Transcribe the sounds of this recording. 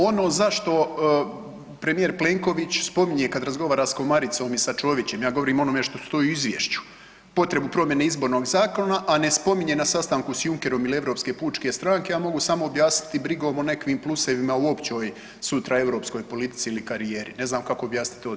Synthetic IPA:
o̞no̞ːzaʃt̪o̞ | pɾe̞mijeɾple̞ŋko̞ʋit͡ɕspo̞miɲe̞kad̪ɾazɡo̞ʋaːɾasko̞maɾit̪so̞ːmisat͡ʃo̞ːʋit͡ɕe̞mjaːɡo̞ʋoɾiːmo̞nome̞ʃt̪o̞st̪o̞juizʋjḛːʃt͡ɕu̥ | po̞t̪ɾe̞bupɾo̞mje̞neizbo̞ːɾnoːɡzaːko̞naʔane̞spo̞miɲe̞nasast̪aŋkusjuŋke̞ɾo̞milieʋɾo̞ːpske̞ːpuːt͡ʃke̞st̪ɾaːŋke̞jaːmo̞ɡusamo̞ːbjaːsni̥t̪ibɾiɡo̞ːmone̞kʋiːmplˠuseʋimauo̞pt͡ɕoːj | sut̪ɾae̞ʋɾo̞ːpsko̞jpo̞lit̪i̥t̪siːlikaɾije̞ːɾḭne̞znaːmkako̞ːbjaːsit̪o

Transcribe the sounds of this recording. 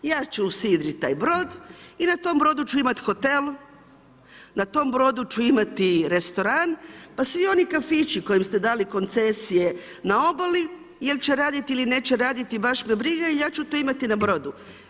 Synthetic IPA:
jaːt͡ʃeusiːd̪ɾit̪ːa̰ːjbɾo̞ːd̪inat̪o̞mbɾo̞d̪ut͡ʃuimat̪xo̞t̪el | nat̪o̞mbɾo̞d̪ut͡ʃuimat̪iɾe̞st̪o̞ɾanpasʋio̞nikafit͡ʃiko̞jimst̪e̞d̪aːliko̞nt̪sesije̞ | nao̞bali | jelʲt͡ʃeɾaːd̪it̪iiline̞ːt͡ɕeɾaːd̪it̪ibaʃmebɾiɡaijaːt͡ʃut̪oimat̪inabɾo̞d̪u

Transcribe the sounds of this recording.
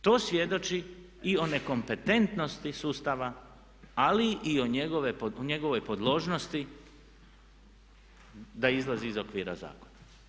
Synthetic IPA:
t̪o̞ːsʋje̞d̪o̞t͡ʃi | io̞ne̞ko̞mpe̞t̪e̞nt̪no̞st̪isuːst̪aʋa | aliʔio̞ɲeɡoʋe̞pɲe̞ɡo̞ʋo̞jpo̞d̪lˠo̞ːʒno̞st̪i | d̪aizlˠaziːzokʋiːɾa̰za̰ːkona

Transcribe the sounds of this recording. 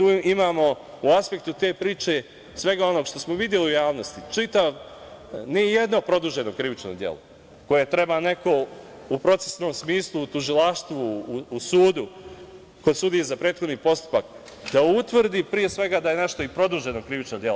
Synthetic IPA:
t̪uimaːmo̞ | uaspe̞k̚t̪ut̪e̞ːpɾiːt͡ʃe̞ | sʋe̞ɡao̞no̞ɡʃt̪o̞smoʋid̪je̞liujaːʋno̞st̪it͡ʂit̪aʋ | nije̞d̪no̞pɾo̞d̪uʒe̞no̞kɾiʋit͡ʃno̞̰d̪je̞̰lˠo̰ | ko̞je̞t̪ɾe̞bane̞ko̞upɾo̞t̪se̥sno̞ːmsmiːslˠuːt̪uʒilˠaʃt̪ʋuːsuːd̪u | kod̪sud̪ijezapɾe̞ːt̪xo̞d̪niːpo̞st̪u̥pak | d̪̥aut̪ʋr̩d̪ipɾije̞sʋe̞ɡad̪aje̞ne̞ʃt̪oipɾo̞d̪uʒe̞nokɾiʋit͡ʃnod̪je̞lo

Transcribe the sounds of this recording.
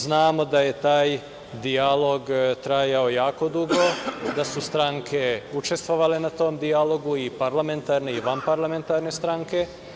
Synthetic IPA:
znaːmo̞d̪aje̞t̪aːj | d̪ialo̞ɡt̪ɾajao̞jaːko̞d̪uɡo̞d̪asust̪ɾaŋkʰe̞ut͡ʃe̞st̪ʋoʋale̞nat̪o̞ːmd̪ialo̞ɡuipaɾlame̞nt̪aːɾne̞iʋanpaɾlame̞nt̪aɾne̞st̪ɾaŋke̞

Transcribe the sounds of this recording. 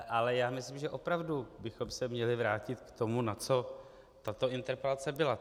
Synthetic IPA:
ʔalɛjaːmɪslɪmʒɛʔo̞pɾavdubɪxo̞msɛmɲɛlɪvɾaːcɪt̪kt̪o̞munat͡so̞ | t̪at̪o̞ɪnt̪ɛɾpɛlat͡sɛbɪla

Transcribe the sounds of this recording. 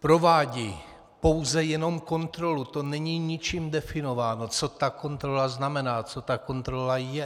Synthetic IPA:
pɾo̞vaːɟiː | po̞wzɛjɛno̞mko̞nt̪ɾo̞lut̪o̞nɛɲiːɲɪt͡ʃiːmdɛfɪno̞vaːnot͡so̞t̪ako̞nt̪ɾolaznamɛnaːt͡so̞t̪ako̞nt̪ɾolajɛ

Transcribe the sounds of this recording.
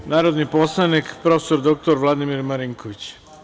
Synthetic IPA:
naːɾod̪nipo̞slanikpɾo̞fesoɾd̪ok̚t̪oɾʋlˠad̪imiɾmaɾiŋkʰoʋit͡ɕ

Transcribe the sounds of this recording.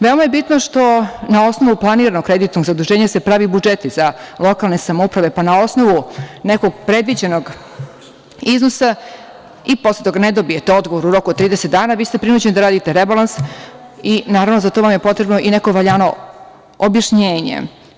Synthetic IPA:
ʋeomajebit̪noʂt̪o̞nao̞sno̞ʋuplˠaniːɾanokːɾed̪it̪noɡzad̪uʒeːɲase̞pɾaʋibud͡ʒet̪izalˠo̞kaːlˠne̞samoupɾaʋe̞panao̞sno̞ʋuneko̞ɡ̚pɾe̞d̪ʋid͡ʑe̞no̞ɡ | iznosa | ipo̞slet̪o̞ɡaned̪obije̞t̪eo̞d̪ɡo̞ʋoɾuɾo̞kuot̪ːɾiːd̪eset̪̚d̪aːnaːʋiːst̪e̞pɾinuːd͡ʑenid̪aɾaːd̪it̪eɾebalˠans | inaːɾavnozat̪oʋamje̞po̞t̪ɾe̞bno̞ʔine̞koʋaʎaːno̞ | objaʃɲeːɲḛ

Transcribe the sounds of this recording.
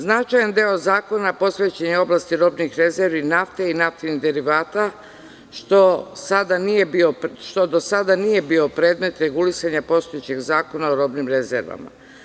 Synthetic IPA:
znat͡ʃajand̪eo̞zaːko̞napo̞sʋe̞t͡ɕeɲeo̞blˠast̪iɾo̞bnixɾe̞zeɾʋinaft̪einaft̪iniɣd̪e̞ɾiʋaːt̪a | ʃt̪o̞sad̪anije̞bio̞pʃt̪o̞d̪o̞sad̪anije̞bio̞pɾe̞ːd̪me̞t̪ɾe̞ɡulisaɲapo̞st̪ojet͡ɕe̞ɡzaːko̞naoɾo̞bnimɾe̞zḛɾʋa̰ma̰

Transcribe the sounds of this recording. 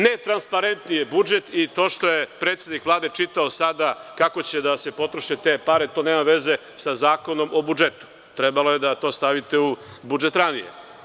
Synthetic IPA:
ne̞t̪ɾanspaɾe̞nt̪nije̞bud͡ʒe̞t̪it̪o̞ːʃt̪o̞je̞pɾe̞ːt̪sjed̪nikʋlˠaːd̪e̞t͡ʃit̪aosad̪akako̞t͡ɕe̞d̪asepo̞t̪ɾo̞ʃet̪e̞paɾe̞t̪o̞neːmaʋe̞ze̞ | sazaːko̞no̞mo̞bud͡ʒe̞t̪u̥ | t̪ɾe̞balo̞je̞d̪at̪o̞ːst̪aʋit̪e̞u | bud͡ʒe̞t̪ɾanḭjḛ

